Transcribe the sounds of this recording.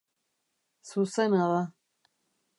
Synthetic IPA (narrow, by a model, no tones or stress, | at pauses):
susenaða